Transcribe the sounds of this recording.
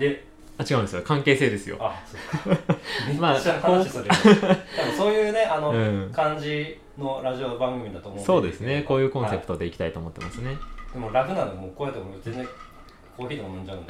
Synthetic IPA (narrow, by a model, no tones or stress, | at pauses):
d̪e | at͡ɕiɡãɯ̃nd̪esɨjokãŋke̞ːse̞ːd̪e̞sɨjo̰asok | maːhaisod̪eab̪oso̞ːjɯ̟ːne̞anoɯ̟̃ːkãɲd͡ʑi | no̞ɾaʑiobãŋɡɯ̟mʲid̪at̪oːmoso̞ːd̪e̞sɨne̞ko̞ːjɯ̟ːkõ̞ɰ̃se̞pɯ̟t̪o̞d̪e̞ikʲi̥t̪ait̪oːmo̞t̪ːe̞masɨne̞d̪emoɾakɯ̟nanomoːkoet̪emozẽnzd͡zẽŋ | kʰo̞ːçʲiːd̪emomõɲd͡ʑaɯ̃nd̪e